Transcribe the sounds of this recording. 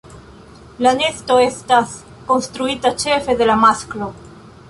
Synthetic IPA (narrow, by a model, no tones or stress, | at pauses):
lanest̪oest̪as | konst̪ɾuit̪at͡ʃefeðelamasklo